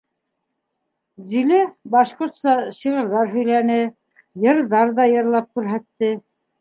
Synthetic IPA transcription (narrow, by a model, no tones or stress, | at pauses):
zilɘbɑʃqŏɾt̪sɑɕiʁɤ̆ɾðɑɾɦɵ̆jlænɘ | jɤ̆ɾðɑɾðɑjɤ̆ɾlˠɑp̚kʉɾɦæt̪ːɘ